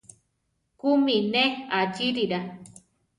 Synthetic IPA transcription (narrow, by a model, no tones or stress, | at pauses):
kumĩnẽad͡ʒiɾiɾa